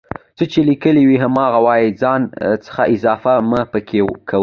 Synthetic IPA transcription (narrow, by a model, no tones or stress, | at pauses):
t͡sət͡ʃelikəliwiɦamɑɣawɑjid͡zɑnt͡sə̥xaʔɪzɑfamapəkʰekʰaw